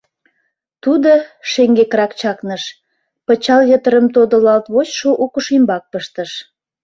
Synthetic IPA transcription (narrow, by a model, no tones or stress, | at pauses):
t̪ud̪oʃeŋɡekɾɑkt͡ɕɑknəʃ | pət͡ɕɑljøt̪əɾəmt̪od̪əlɑlt̪βot͡ɕʃoʔukəʃimbɑk̚pəʃt̪əʃ